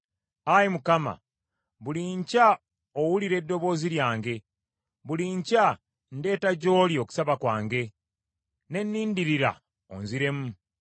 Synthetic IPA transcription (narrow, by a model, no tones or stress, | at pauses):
ajimukama̰ | βuliɲca | owuliɾe̞dːo̞βo̞ːziɾjaːŋɡe̞ | βuliɲca | nde̞ːtaɟo̞ːlioku̥saβakwaːŋɡe̞ | ne̞nːiːndiɾiɾa̰ | o̰nziɾe̞mu